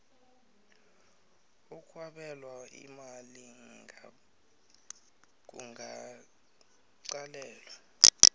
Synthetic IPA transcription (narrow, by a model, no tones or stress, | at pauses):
ukʰʼwaɓɛlwaḭmaliŋʱa | k̬uŋʱa | ǀalɛːlwa